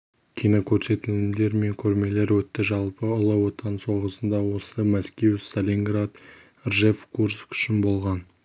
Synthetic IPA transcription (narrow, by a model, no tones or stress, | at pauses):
kʲʰijnokʲʰɵɾse̞t̪ɪlɪd̪e̞ɾme̞ŋkʲʰɵɾme̞le̞ɾwɵt̪ːɪʒɑlˠpəʊlˠəwo̞t̪ɑnso̞ʁəsənd̪ɑwo̞səmæskʲe̞wst̪alʲiŋɡrad̪ | ʒefkʰuɾskʏ̥ʃɪnbo̞lˠʁɑn